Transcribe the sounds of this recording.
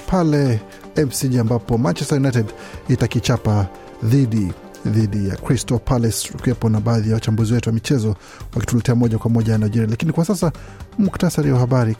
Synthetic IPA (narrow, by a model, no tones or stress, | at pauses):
pʰalɛ | ɛmsid͡ʒiambapɔmant͡ʃɛstajunajtɛd | itakit͡ʃapa | ðiɗi | ðiɗija̰kɾistɔpalɛskuɛpɔnaɓaːðijawat͡ʃambuziwɛtuwamit͡ʃɛzɔ | wakitulɛtɛamɔʄakwamɔʄanajd͡ʒiɾialakinikwasasa | muktasaɾiwahaɓaɾi